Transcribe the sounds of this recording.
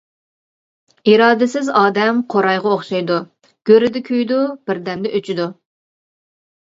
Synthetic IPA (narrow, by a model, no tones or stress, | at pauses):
iɾɑːd̪ɪsɪzɑːd̪ɛmqʰoɾɑjʁɑoχʃɑjd̪u | ɡ̥ʲøɾɪd̪ɪkʲʰøjd̪ub̥ɪɾd̪ɛmd̪ɛʔøt͡ʃʰid̪u